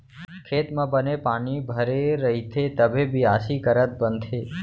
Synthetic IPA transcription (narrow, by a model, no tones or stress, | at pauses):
kʰet̪mãbənepaɳ̃ibʱəɾeɾəɦit̪ʰet̪əbʱebʱiasikəɾət̪̚bənd̪ʱe